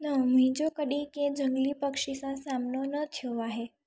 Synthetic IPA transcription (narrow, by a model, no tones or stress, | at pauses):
nəmĩd͡ʒokəɗĩkẽd͡ʒəŋɡlipəkʃisãsamnonət̪ʰjoaɦe